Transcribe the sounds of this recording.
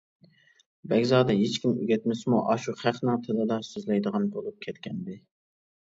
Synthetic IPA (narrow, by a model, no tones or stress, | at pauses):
bɛɡʲzɑːd̪ɛɦet͡ʃkʲimy̰ɡʲɛt̪mɪsmuʔɑʃuχæχnɨŋt̪ʰɪlˠɨd̪ɑsøzlɛjd̪əʁɑnbolˠup̚kʲʰɛt̪kʲɛnd̪ɪ